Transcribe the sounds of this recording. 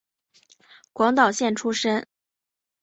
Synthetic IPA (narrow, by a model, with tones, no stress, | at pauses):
kwɑ˧˥ŋt̪ɑ˨˩ʊɕjɛ˥˩nʈ͡ʂʰu˥ʂə˥n